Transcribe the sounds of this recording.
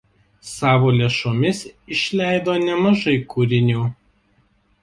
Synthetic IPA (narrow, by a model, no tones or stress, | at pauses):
sɑːʋoːlʲeʃoːmʲɪsɪʃʲlʲæˑɪd̪oːnʲɛmɐʒɐɪkuɾʲɪnʲuː